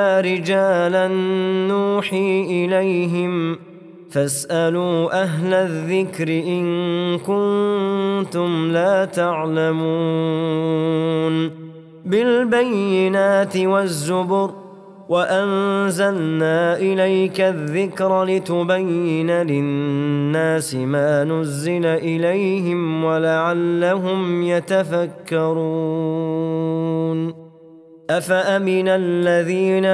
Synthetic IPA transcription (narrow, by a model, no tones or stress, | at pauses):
aːɾɪd͡ʒaːlanːuːħiːʔɪlajɦɪm | fasʔaluːʔaɦlaðːɪkɾɪʔɪnkʊn | t̪ʊmlaːt̪aʕlamuː | n | bɪlbajːɪnaːt̪ɪwazːʊbʊɾ | waʔanzalnaːʔɪlajkaðːɪkɾlɪt̪ʊbajːɪnalɪnnːaːsɪmaːnʊzːɪlaʔɪlajɦɪmwalaʕalːaɦʊmjat̪afakːɑɾˤuː | n | ʔafaʔamɪnalːaðiːna